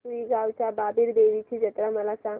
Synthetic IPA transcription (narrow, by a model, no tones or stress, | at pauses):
ʋiɡawt͡ɕababiɾb̪eʋit͡ɕid͡ʑət̪ɾaməlasãŋ